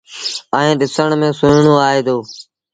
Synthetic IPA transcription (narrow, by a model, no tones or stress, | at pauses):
əẽːɗɪsəɳmẽːsʊːɳoːaːɦeːd̪oː